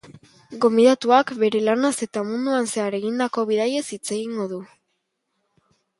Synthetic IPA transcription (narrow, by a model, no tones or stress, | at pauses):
ɡo̞mbiðat̪uakbe̞ɾe̞lanase̞t̪amund̪uanse̞aɾe̞ɣind̪ako̞β̞iðaje̞sit͡se̞ɣiŋɡo̞ðu